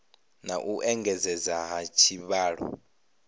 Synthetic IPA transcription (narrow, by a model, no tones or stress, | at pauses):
naʔuʔɛŋɡɛzɛzaɦat͡ʃʰiɓaːɺɔ̰